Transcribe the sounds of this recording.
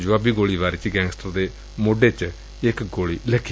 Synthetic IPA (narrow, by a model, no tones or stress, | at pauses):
d͡ʒʋaːbiːɡoːɭiːbaːɾiːt͡ʃiɡɛ̃ːŋɡsʈəɾd̪eː | moːɖeːt͡ʃ | ɪkɡoːɭiːlɛːkʰːi